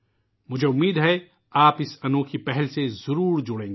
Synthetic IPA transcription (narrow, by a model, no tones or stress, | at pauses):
mʊd͡ʒʱeʊmːiːd̪ɦɛ | aːpɪsɐnõːkʰipɛɦɛlsezʊɾuːɾd͡ʒʊɽẽːŋɡe